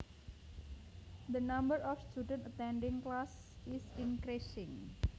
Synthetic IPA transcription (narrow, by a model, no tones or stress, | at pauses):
d̪ənãmbəɾʔɔfst̪udə̃nt̪ət̪ɛnɖɪŋklas | ɪsiŋkɾisɪŋ